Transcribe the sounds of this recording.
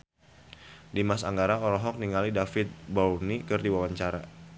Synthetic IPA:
dimasa̰ŋɡaɾaɔɾɔɦɔk̚niŋalidafɪt̪̚bawnikɨrdiwawaɲt͡ʃaɾa

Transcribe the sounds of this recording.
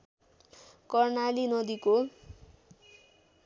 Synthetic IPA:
kʌrnalinʌd̪iko

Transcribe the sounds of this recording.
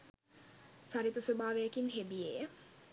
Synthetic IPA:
t͡ʃaɾit̪ɐsobaːʋejekinɦebijejə

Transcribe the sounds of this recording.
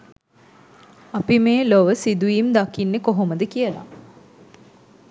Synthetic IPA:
apimeːloʋəsid̪ujimd̪akinːekoɦoməd̪əkijəla̰

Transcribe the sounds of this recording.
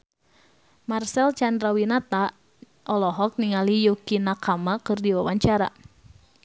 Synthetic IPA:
marsɛlt͡ʃandɾawinat̪a | ʔɔlɔɦɔk̚niŋalijukinakamakɨrdiwawaɲt͡ʃaɾa̰

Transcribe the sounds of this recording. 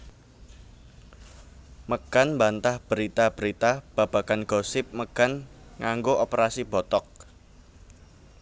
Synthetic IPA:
məkanmbant̪ahb̥əɾit̪ab̥əɾit̪ab̥a̤b̥a̤kanɡ̥ɔ̤sɪp̚məkanŋaŋɡoʔopəɾasib̥ɔ̤t̪ɔk̚

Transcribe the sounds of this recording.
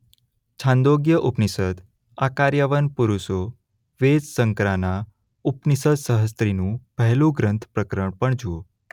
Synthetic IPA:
t͡ʃʰãnd̪oɡjəʔupnisəd̪ | akaɾjaʋənpuɾuʃo | ʋed͡ʒsəŋkɾana | upnisəd̪səɦəs̬t̪ɾinũpɛɦlũɡɾə̃nt̪ʰpɾəkɾəɳpəɳd͡ʒuo

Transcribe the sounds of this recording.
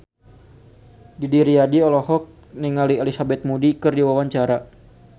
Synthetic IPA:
didiɾiadiɔlɔhɔk̚ | niŋaliɛlisabɛt̪̚mudikɨrdiwawaɲt͡ʃaɾa

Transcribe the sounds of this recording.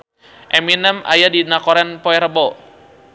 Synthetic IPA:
ʔɛminəma̰jadinakɔɾɛnpɔɛɾəbɔ

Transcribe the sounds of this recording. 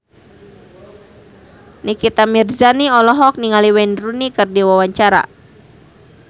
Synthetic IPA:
nikit̪amirzaniɔlɔɦɔk̚niŋaliwɛndɾunikɨrdiwawaɲt͡ʃaɾa̰

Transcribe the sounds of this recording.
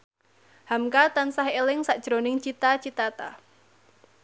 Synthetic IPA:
hamkat̪ansahelɪŋsaʔd̥ʒ̥ɾonɪŋt͡ʃit̪at͡ʃit̪at̪a̰

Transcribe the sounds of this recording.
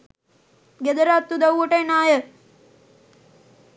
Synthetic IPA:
ɡed̪əɾaːt̪ːud̪ɐuʋəʈəenaːjə

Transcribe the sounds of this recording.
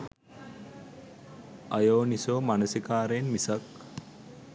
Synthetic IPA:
ɐjoːnisoːmanəsikaːɾeːnmisak

